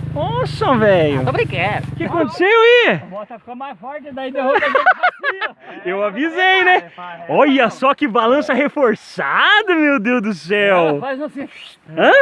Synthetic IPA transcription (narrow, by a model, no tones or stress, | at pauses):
osɐ̃vɛjʊ̰pɾĩkɛkɪakõnt̪e̥sewiɔt̪ɐfkomajzvɔɾd͡ʒɪd̪ɐĩd̪e | ewavizejnɛ̃ojɐsɔkɪbalɐ̃sɐhefoɾsad̪ɐmewd̪ewd̪ʊsɛwaznɐ̃se | ɐ̃